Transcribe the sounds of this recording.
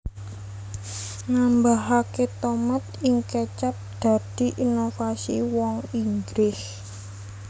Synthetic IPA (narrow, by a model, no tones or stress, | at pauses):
nambaɦaket̪omat̪̚ɪŋket͡ʃap̚d̪̥ä̤d̪̥i̤ʔinofasiwɔŋiŋɡɾɪs